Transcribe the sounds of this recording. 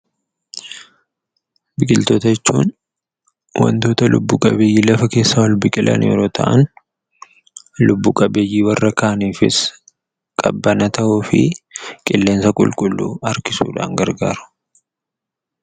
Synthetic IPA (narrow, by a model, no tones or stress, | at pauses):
bɪkʼɪlt̪oːt̪ɐɛt͡ʃːuːn | wɐ̰nt̪o̞ːt̪ɐlʔʊbːuːkʼɐ̰beːjːiːlɐfɐke̞ːsːawɐlbɪkʼɪlʔɐ̰nʔḛːɾoːt̪ʰɐ̰ʔɐn | lʊbːuːkʼɐbeːjːiːwɐrːɐkaːniːfɪs | kʼɐbːɐnɐt̪ɐʔuːfɪ̰kʼɪlːe̞ːnsɐkʼʊ̰lkʼʊlːṵːʔɐɾkɪsṵːᶑa̰ːŋɡɐɾɡa̰ːɾʊ̥